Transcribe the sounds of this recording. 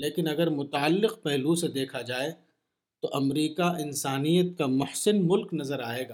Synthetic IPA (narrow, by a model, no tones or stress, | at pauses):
leːkɪnɐɡəɾmʊt̪aəlːɪqpɛɦlused̪eːkʰad͡ʒaːe | t̪oʔɐmɾiːkaʔɪnsaːnijət̪̚kamʊhsɪnmʊlknɐzəɾaːeːɡaː